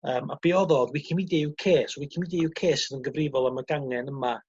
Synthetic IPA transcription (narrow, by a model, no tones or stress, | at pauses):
əːma̰b̥eɔðɔdwikʰɪmideukʰeːswikʰimideukʰeːsɪnənɡəvrɪvɔlˠaməɡaŋɛnəma